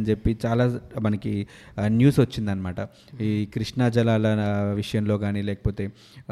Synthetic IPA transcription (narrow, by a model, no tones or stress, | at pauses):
nd͡ʒe̞pːit͡ʃaːlaːmɐnɐki | njuːsʋɐt͡ʃːind̪ɐnːɐmaːʈɐ | ikɾiʂɳad͡ʒɐlaːlɐʋiʂɐjɐmlo̞ːɡaːniːlɛːkɐ̥po̞ːt̪e̞ː